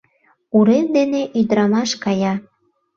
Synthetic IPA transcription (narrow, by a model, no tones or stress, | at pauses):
uɾemd̪eneʔyd̪ɾɑmɑʃkɑjɑ